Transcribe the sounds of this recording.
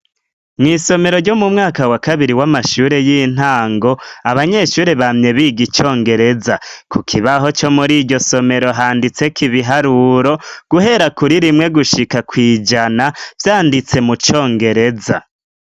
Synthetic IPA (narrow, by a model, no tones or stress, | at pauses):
mŋiːso̞me̞ɾoɾɟo̞mumŋaːkawakaβiɾiwamaʃuːɾe̞jiːn̥aːŋɡo̞aβaɲe̞ʃuːɾeβamɲe̞βiːɡit͡ʃo̞ːŋɡe̞ɾe̞zakukʰiβaɦo̞t͡ʃo̞muɾiɟo̞so̞me̞ɾo̞ɦaːndit͡se̞kiβiɦaɾuɾo̞ɡ̥uɦe̞ɾakuɾiɾimŋe̞ɡuʃikakwiːd͡ʒanav̥jaːndit͡se̞mut͡ʃo̞ːŋɡe̞ɾe̞za̰